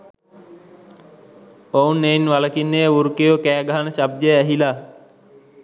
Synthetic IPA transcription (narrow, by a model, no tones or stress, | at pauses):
ounːejnʋaləkinːeuɾkejokæːɡaɦanəɕab̚d̪əjəæɦilaː